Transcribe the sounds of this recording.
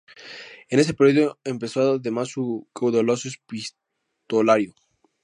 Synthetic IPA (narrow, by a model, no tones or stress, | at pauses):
ene̞s̬epeɾjoðjoempe̞soðemasukawðolosoespis | t̪olaɾjo